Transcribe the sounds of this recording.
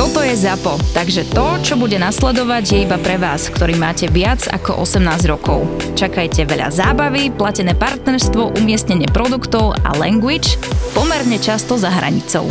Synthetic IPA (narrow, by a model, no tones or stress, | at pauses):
t̪ɔt̪ɔjɛzapɔt̪aɡʒɛt̪ɔt͡ʃɔbuɟɛnaslɛd̪ɔʋaɟjɛibapɾɛʋaːskt̪ɔɾiːmaːcɛʋɪad͡za̰kɔ̰ʔɔsɛmnaːzɟɾɔkɔ̰ʊ | t͡ʃakajcɛʋɛʎa̰zaːbaʋiplacɛnɛːpaɾt̪nɛɾst̪ʋɔʔumɪɛst̪ɲɛɲɪɛpɾɔd̪ukt̪ɔʊa̰lɛ̰ŋɡʋit͡ʃpɔmɛɾɲɛt͡ʃast̪ɔzaɦɾa̰ɲḭt͡sɔ̰ʊ